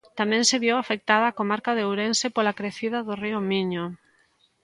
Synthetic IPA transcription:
t̪amɛ̃ŋseβjewafek̚t̪aðaːkomaɾkaðeowɾensepolakɾeθiðaðoriomiɲo

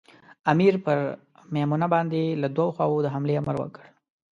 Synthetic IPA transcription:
amiɾpəɾ | memunabɑnd̪elad̪wawoxwɑwod̪əɦamleaməɾwə̰kəɽ

